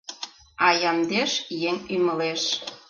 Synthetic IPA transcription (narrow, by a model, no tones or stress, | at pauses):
ɑjɑmd̪eʃjeŋyməleʃ